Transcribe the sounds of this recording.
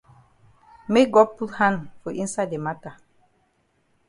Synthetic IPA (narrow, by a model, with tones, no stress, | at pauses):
me˦k̚ɡɔ˦d̚pu˦thã˦ndfɔ˨ʔĩ˦nsa˦ɪde˨ma˦ta˨